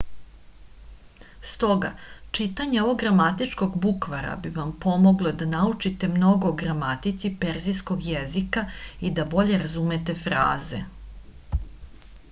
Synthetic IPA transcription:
st̪o̞ɡa̰t͡ʂit̪aɲeoʋoɡɡɾamat̪it͡ʃko̞ɡbukʋaɾa̰biʋampo̞mo̞ɡlˠod̪anaut͡ʃit̪e̞mno̞ɡo̞ːɡɾamat̪it̪sipe̞ɾzisko̞ɡjezikaid̪abo̞ʎe̞ɾazumet̪e̞fɾa̰ːze̞̰

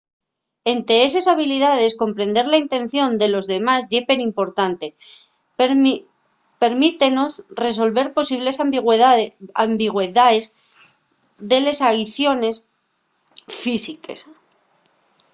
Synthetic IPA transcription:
e̞nt̪eesesaβ̞iliðað̞e̞sko̞mpɾe̞nd̪e̞ɾlaint̪e̞n̟θjo̞nd̪e̞lo̞zðe̞mazʝe̞pe̞ɾimpo̞ɾt̪ant̪e̞ | pe̞ɾmit̪e̞no̞sre̞s̬o̞lβe̞ɾpo̞siβ̞le̞sɣ | ambiɣweðaez | ðe̞le̞saiθjo̞ne̞s | fisikḛs

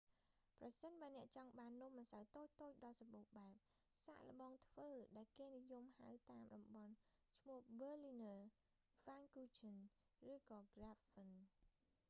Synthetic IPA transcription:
prɑsənɓaənɛ̆əʔt͡ɕɑŋɓaːnːŭəmːasawt̪oːc̚t̪oːc̚ɗɑːlsɑpuːhɓaɛp̚ | sa̰ʔlə̆ɓɑːŋt̪ʰʋəːɗaɛlkeːnijumhawt̪aːmɗɑmɓɑnt͡ɕʰmuəhɓəːlinəː | faŋkuːt͡ɕʰən | rɨːkɑːɡrapfən

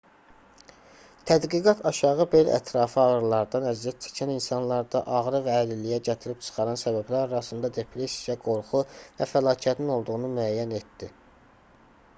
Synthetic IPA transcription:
t̪ʰæd̪ɡiɡɑt̪ʰɑʃɑʁɯbe̞læ̰t̪ʰɾɑfɯɑʁɯɾlˠɑɾd̪ɑnæziæt̪̚t͡ʃʰɛ̥cʰæninsɑnlˠɑɾd̪ɑʔɑɣɾɯvæːlilijæɟæt̪ʰiɾipt͡ʃʰɯ̥χɑɾɑnsæbæblæɾɑɾɑsɯnd̪ɑd̪e̞pʰɾe̞sijæɡo̞ɾχuvæfælɑːcʰæt̪ʰnino̞lˠd̪uʁunumyæjːæne̞t̪d̪̥i

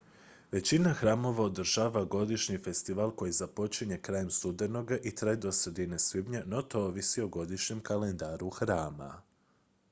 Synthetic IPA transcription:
ʋe̞t͡ɕinaxɾaːmo̞ʋaod̪r̩ʒaːʋaɡo̞d̪iʃɲife̞st̪iʋalˠko̞jizapo̞t͡ʃiɲe̞kɾaːjemst̪ud̪e̞no̞ɡaʔit̪ɾeaed̪o̞sɾe̞d̪ine̞svibɲeno̞t̪o̞oʋisioɡo̞d̪iʃɲe̞mkalend̪aːɾuxɾaːma̰

